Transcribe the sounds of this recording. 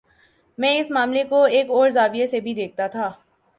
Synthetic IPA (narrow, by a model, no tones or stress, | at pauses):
mɛ̃ːɪsmaːmlekoeːkɔːɾzaːʋijesebʱid̪eːk̚ʰt̪at̪ʰaː